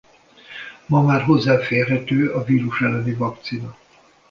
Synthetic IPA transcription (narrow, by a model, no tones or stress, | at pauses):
mɒmaːrɦo̞zːaːfeːrɦɛt̪øːɒviːɾuʃɛlɛnivɒkt̪sinɒ